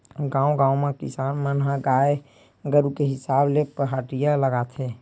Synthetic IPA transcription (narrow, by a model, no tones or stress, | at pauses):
ɡãːũɡãːũmẽkɪ̰saːnmənɦəɡae | ɡəɾukeɦɪsaːblepəɦaʈijaləɡaːt̪ʰe